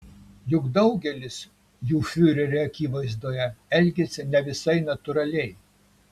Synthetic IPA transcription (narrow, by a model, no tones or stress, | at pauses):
jʊɡd̪ɐʊɡʲɛlʲɪs | juːfʲyːɾʲɛɾʲɛɐkʲiːʋɐɪzd̪oːjɛɛlʲɡʲesʲɪnʲɛʋʲɪsɐɪnɐt̪ʊɾɐlʲɛɪ